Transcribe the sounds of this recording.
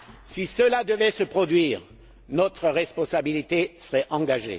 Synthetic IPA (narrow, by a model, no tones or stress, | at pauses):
sisəlad̪əvɛsəpχɔd̪ɥiːʁ | nɔt̪χəʁɛspɔ̃sabilit̪esəʁɛʔɑ̃ɡaʒḛ